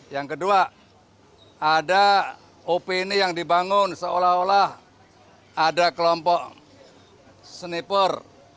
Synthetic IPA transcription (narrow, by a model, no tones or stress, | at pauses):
jaŋkədua | ada | opeinijaŋdibaŋʊnsəolaholah | adakəlɔmpɔʔ | sənipər